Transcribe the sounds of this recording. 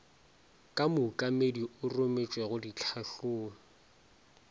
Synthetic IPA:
kʼamʊkʼamediʔʊrʊmet͡ʃʼweɣʊdit͡ɬʰaɬoːŋ̩

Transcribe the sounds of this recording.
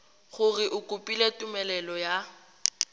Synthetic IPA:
χʊrɪʔʊkʼʊpʼiletʼʊmɛlɛlɔja

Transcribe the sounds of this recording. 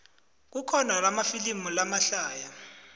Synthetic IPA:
k̬ukʰɔnalamafilimulamaɬaːja

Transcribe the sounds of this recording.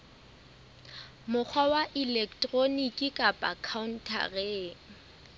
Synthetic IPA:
mʊk͡xʰwawaʔilɛkʰtʼronikʼɪkʼapʼakʰaun̩tʰa̰reːŋ

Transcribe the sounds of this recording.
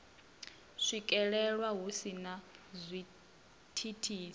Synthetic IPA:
ʂikʼɛɺɛɺwaɦusinazʷi | tʰitʰiːsi

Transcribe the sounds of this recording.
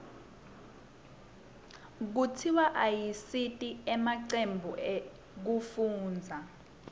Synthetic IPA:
k̬utʰiwaʔajisitʼiɛmaǀembʱuʔɛ | k̬ufuːnd͡zʱa

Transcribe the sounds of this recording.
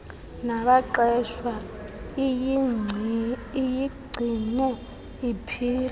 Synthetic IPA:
naβaǃɛʃwa | ijiɡ͡ǀʱinu | ipʰiːla

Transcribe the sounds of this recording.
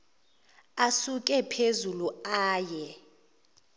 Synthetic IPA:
asukʼɛpʰezuluaːjɛ

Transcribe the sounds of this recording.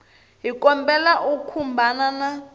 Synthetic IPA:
ɦikɔmbɛlaʔukʰumbʱanana

